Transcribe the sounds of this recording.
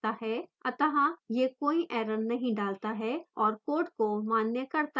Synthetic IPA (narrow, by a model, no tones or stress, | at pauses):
aɦɛɐt̪əɦãjekoːiʔɛːɾənnɐɦĩɖaːlt̪aɦɛɔːɾkoːʈkomaːnjəkɐɾt̪a